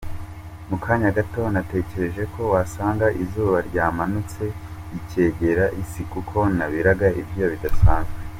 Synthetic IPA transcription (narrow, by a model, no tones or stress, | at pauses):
mukʰaːɲaɡato̞nate̞ce̞ɾe̞ʒe̞kʰo̞wasaːŋɡaʔizuːβaɾɟaːmanut͡se̞ | ice̞ːɟe̞ɾaʔisikukʰo̞naβiɾaɡaibɟijoβidasaːnzwe